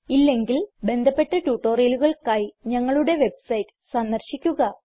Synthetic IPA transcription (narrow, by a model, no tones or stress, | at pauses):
ilːe̞ŋɡilbe̞nd̪ʱɐpːe̞ʈːɐʈuːʈːoːrijɐluɣɐɭkajiɲɐŋːɐɭuɽe̞ʋe̞bsɐjtːɨ̥sɐnd̪ɐrɕikʲːuɣɐ